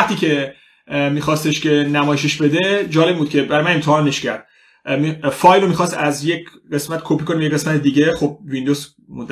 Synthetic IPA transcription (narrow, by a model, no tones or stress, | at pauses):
ht̪iːcʰe̞ | miːxɒːst̪e̞ʃcʲʰe̞næmɒːjeʃeʃbe̞d̪e̞d͡ʒɒːleb̚buːd̪̚cʰe̞bæɾɒjmænemt̪ʰehɒːneʃcʰæɾd̪̥ | mifɒːjlomiːxɒːst̪æzjec | ɢe̞smæt̪kʰoːpiːkʰonimejee̞smæt̪ed̪iːɟe̞xob̚vind̪oz | mond̪